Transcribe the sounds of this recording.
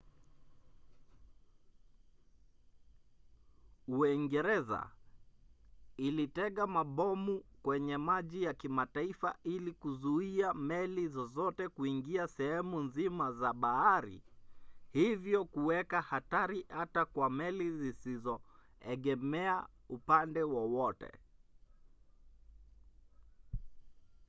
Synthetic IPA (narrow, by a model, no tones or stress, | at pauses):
uiŋɡɛɾɛza̰ | ilitɛɠamaɓɔmukwɛɲɛmaʄijakimataifa̰ʔilikuzuiamɛlizɔzɔtɛkuiŋɡiasɛhɛmunzimazaɓaaɾḭ | hivjɔkuwɛkahataɾihatakwamɛlizisizɔ | ɛɠɛmɛaupandɛwɔwɔtɛ̰